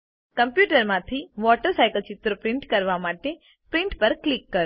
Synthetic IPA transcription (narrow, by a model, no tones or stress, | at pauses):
kəmpjuʈəɾmãt̪ʰiʋɔʈəɾsajkəlt͡ʃɪt̪ɾəpɾɪɳʈkəɾʋamaʈe | pɾiɳʈpəɾklikːəɾ